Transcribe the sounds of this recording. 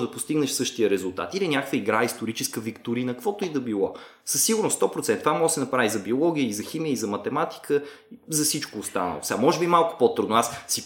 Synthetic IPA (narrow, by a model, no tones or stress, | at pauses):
d̪ɐpost̪iɡnɛʃsɤʃt̪ijəɾɛzʊlˠt̪a̰t̪ilinʲakkvəiɡɾaist̪oɾit͡ʃɛskəvikt̪uɾiinɐkəkvɔt̪ʊid̪ɐbilˠɔ̰ | səsːiɡʊɾnʊst̪ɔpɾot̪sɛnt̪t̪vamɔɡəsɛnɐpɾavizɐbiolˠɔɡijəizɐximijəizɐmɐt̪ɛmat̪i̥kʰəzɐfsit͡ʃkoːst̪a̰nə̰lˠo̰sɛɡamɔʒɛbimalˠkʊ̥pot̪ɾud̪nʊassi